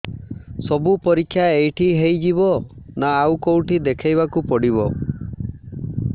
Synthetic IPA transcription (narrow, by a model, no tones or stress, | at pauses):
sɔbupɔɾikʰːjaejʈʰiɦejd͡ʒibɔnaːwkowʈʰid̪ekʰajbakupɔɽibɔ